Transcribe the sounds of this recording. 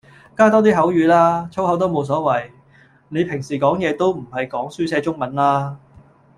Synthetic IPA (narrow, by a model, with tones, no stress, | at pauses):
kaː˥t̪ɔː˥t̪̬iː˥ɦɐ˨˥wjyː˨˧laː˥t͡sʰo˥whɐ˨˥wt̪̬o˥wmo˨˧ws̬ɔː˨˥wɐ˨˩j | ne˨˧jpʰɪ˨˩ŋsiː˨˩kɔː˨˥ŋjɛː˨˧t̪o˥wm̩˨˩hɐ˨jkɔː˨˥ŋsyː˥sɛː˨˧t͡ʃʊ˥ŋmɐ˨˥nlaː˥